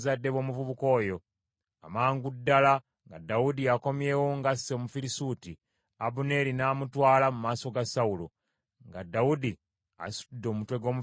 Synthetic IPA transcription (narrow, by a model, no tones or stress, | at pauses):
zadːeβo̞ːmuvuβuko̞ːjo̞ | amaːŋɡudːala | ŋɡa̰daudiako̞mje̞ːwo̞ŋɡasːe̞mufilisuti | abune̞linaːmutwaːlamumaːso̞ɡasaulo | ŋɡadːaudi | a̰su̥tudːo̞ːmutwe̞ɡo̞mu